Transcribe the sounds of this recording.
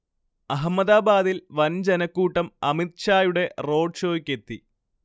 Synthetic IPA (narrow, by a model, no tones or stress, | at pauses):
ɐɦɐmːɐðaːbaːðilʋɐnd͡ʑenɐkːuːʈːɐmɐmit̪̚t͡ɕaːjuɽe̞ro̞ːɖɕo̞ːikʲːe̞t̪ːi